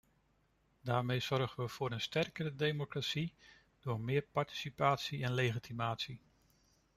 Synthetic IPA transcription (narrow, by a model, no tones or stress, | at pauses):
daːɹmejz̥ɔɹχənʋəv̥ʊːɾənstɛrkərədejmokratsi | d̥ʊːɹmɪːɹpɑɹti̥sipaːtsiɛnlejχitʰimaːtsi